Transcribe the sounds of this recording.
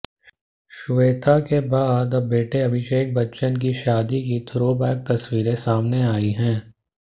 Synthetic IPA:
ʃʊʋeːt̪ʰakebaːd̪ɐbeːʈeɐbʱɪʃeːk̚bɐtːʃənkiʃaːd̪ikit̪ʰɾoːbɛːk̚t̪ɐswiːɾẽsaːmneaːiɦɛ̃ː

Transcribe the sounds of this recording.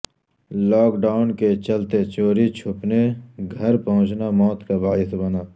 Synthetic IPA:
lɔːkɖaːʊnket͡ʃəlt̪et͡ʃoːɾit͡ʃʰʊpneɡʱəɾpɐɦʊ̃t͡ʃnamɔːt̪kabaːɪsbənaː

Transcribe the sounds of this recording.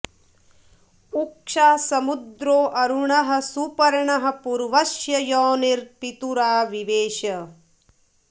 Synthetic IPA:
ukʂaːsɐmud̪ɾoːʔɐɾuɳɐɦɐ̆supɐɾɳɐɦɐ̆puɾʋɐʃjɐjɔːniɾpit̪uɾaːʋiʋeːʃɐ

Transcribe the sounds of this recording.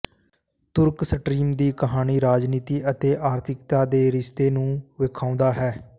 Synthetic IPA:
t̪ʊɾksəʈɾiːmd̪iːkəɦaːniːɾaːd͡ʒniːt̪iːʔət̪eːʔaːɾt̪ʰɪkt̪aːd̪eːɾɪst̪eːnũːʋɪkʰãːʊnd̪aːɦɛː

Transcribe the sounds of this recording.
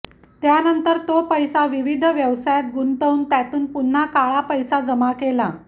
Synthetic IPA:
t̪janənt̪əɾt̪opəjsaʋiʋid̪ʱʋjəʋsajat̪̚ɡunt̪əunt̪jat̪uːnpun̤ːakaɭapəjsad͡zəmakela̰

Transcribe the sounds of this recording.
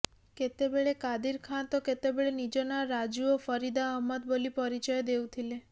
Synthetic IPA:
ket̪ebeɭekad̪iɾkʰant̪ɔket̪ebeɭenid͡ʒonaɾad͡ʒuofʰɔɾid̪aəɦmːət̪̚bolipɔɾit͡ʃɔjd̪ewt̪ʰile

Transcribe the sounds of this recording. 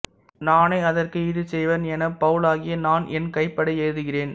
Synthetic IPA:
naːnɐɪɐðɐrkɯɪðɯsɛjʋɐnɛnɐpɐʋɯlaːɣɪjɐnaːnʔɛnkɐɪpːɐɽɐɪeːɻðɯɣɪreːn

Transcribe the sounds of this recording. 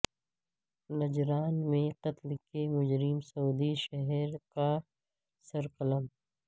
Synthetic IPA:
nɐd͡ʒɾaːnmẽqɐt̪lkemʊd͡ʒɾɪmsɐuːd̪iʃɛɦɛɾka | sɐɾqələm

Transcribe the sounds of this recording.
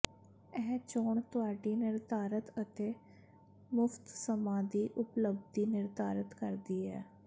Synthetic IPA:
ɛːt͡ʃoːɳt̪ʊaːɖiːnɪɾd̪aːɾət̪ət̪eː | mʊft̪səmãːd̪iːʔʊpləb̚d̪iːnɪɾd̪aːɾət̪kəɾd̪iːɛ̰ː

